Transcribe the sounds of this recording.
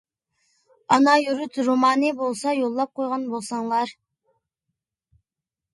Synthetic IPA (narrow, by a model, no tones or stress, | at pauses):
ɑnɑjyɾyt̪ɾomɑːnɨbolˠsɑjolˠːɑp̚qʰojʁɑnbolˠsɑŋlˠɑɾ